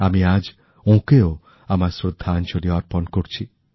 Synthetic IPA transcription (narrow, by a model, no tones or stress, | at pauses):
amiad͡ʒ | õkeo | amaɾsɾod̪ʱːant͡ʃoliɔɾpɔnkɔɾt͡ʃʰi